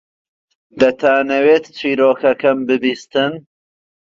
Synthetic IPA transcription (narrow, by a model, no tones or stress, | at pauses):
d̪ɐt̪ʰaːnɐweːt̪t͡ʃʰiːɾoːkɐkɐmbɨbiːst̪ɨn